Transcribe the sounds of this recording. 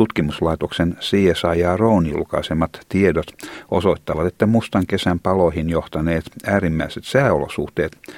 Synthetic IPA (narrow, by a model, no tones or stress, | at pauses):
tut̪kimuslɑit̪oksensiːesɑijɑːrouniṵlkɑ̰isemːɑt̪t̪iedot̪osoit̪ːɑʋɑt̪et̪ːæmust̪ɑŋkesæmpɑloihinjoht̪ɑneːt̪æːrimːæiset̪sæːolo̰sṵht̪eːt̪